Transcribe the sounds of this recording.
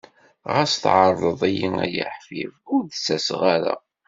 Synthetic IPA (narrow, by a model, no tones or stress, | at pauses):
ʁæsθʕɑɾˤːəðˤijiŋæ̰jə̰ħfivʊɾðsæsʁaɾa̰